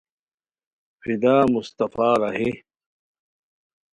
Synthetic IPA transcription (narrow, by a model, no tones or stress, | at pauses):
fid̪aːmust̪ɐfaːɾɐhi